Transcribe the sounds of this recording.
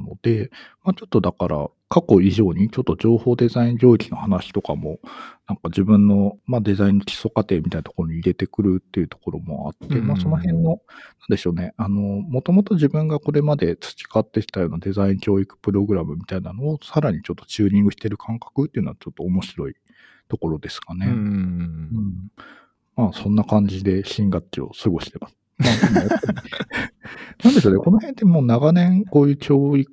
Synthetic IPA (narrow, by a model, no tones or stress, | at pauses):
no̞d̪̥e̞maːt͡ɕo̞t̪ːo̞d̪akaɾa̰ | kako̞iʑo̞ːɲ̟it͡ɕo̞t̪ːo̞ʑo̞ːho̞ːd̪e̞zaĩɲd͡ʑo̞ːikʲino̞hanaɕi̥t̪o̞ka̰mo̞nãŋkad͡ʑibɯ̟̃nːo̞mad̪e̞zaĩnːo̞kʲi̥so̞kat̪e̞mit̪ainat̪okoɾo̞ɲ̟iːɾe̞t̪e̞kɯ̟ɾɯ̟t̪ːe̞iɯ̟t̪o̞̥ko̞ɾo̞mo̞̰a̰t̪ːe̞maːso̞no̞hẽ̞nːo̞nãnd̪e̞ɕo̞ːne̞ano̞mo̞t̪o̞mo̞t̪o̞ʑibɯ̟̃ŋɡako̞ɾe̞mad̪e̞t͡sɨ̥t͡ɕi̥kat̪ːekʲi̥t̪ajo̞ːnad̪e̞zaĩŋkʲo̞ːikɯ̟̥pɯ̟ɾo̞ɡɯ̟ɾamɯ̟mʲit̪ainano̞ːsaɾaɲ̟it͡ɕo̞t̪ːo̞̥t͡ɕɨːɲĩŋɡɯ̟ɕi̥t̪e̞ɾɯ̟kʰãŋkḁkɯ̟t̪ːei̟noat͡ɕo̞t̪ːo̞ːmo̞ɕiɾo̞i | t̪o̞ko̞ɾo̞d̪e̞sɨ̥kane̞ | ɯ̟̃ɴ | maːsõ̞nːakãɲ̟d͡ʑid̪e̞ɕĩŋɡat͡ɕio̞̰sɨɡo̞ɕi̥t̪e̞masɨ̥ | maima | nãnd̪e̞ɕo̞ːneko̞no̞hent̪emoːnaɡanẽ̞ŋko̞ːjɯ̟ːkʲʰo̞ːikɯ̥